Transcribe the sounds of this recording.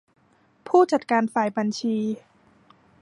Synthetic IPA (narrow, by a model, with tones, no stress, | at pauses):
pʰuː˥˩t͡ɕa˨˩t̪̚kaː˧nfaː˨˩jba˧nt͡ɕʰiː˧